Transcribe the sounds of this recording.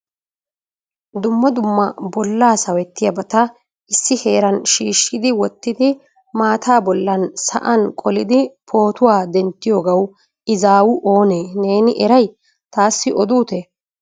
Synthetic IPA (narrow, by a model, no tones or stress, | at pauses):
d̪ʊmːɐd̪ʊmːɐbɔlːaːsɐwɛt̪ːɪjɐbɐt̪ɐ | ɪsːɪhe̞ːɾɐnʃiːʃːɪd̪ɪwɔt̪ːɪd̪ɪ | maːt̪ʰaːbɔlːɐnsɐ̰ʔɐnkʼɔlɪd̪ɪpʰo̞ːt̪ʊwaːd̪ɛnt̪ːɪjoːɡɐw | ɪzaːwʊʔo̞ːneːne̞ːnɪʔɛɾɐj | t̪aːsːɪʔɔd̪uːt̪e